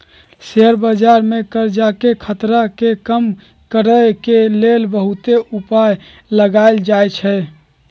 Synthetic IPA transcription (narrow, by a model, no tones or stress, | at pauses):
seəɾbəd͡ʒaɾmekəɾd͡ʒakekʰət̪ɾakekəm | kəɾəkelelbəɦut̪eʔupaj | ləɡaɪld͡ʒajt͡ʃʰɛ